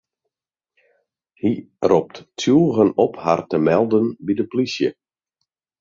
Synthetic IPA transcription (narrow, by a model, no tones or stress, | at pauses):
hi | rɔp̚ttʰjuːɣənɔpha̰rtəmɛlˠdənbidəplisjə̰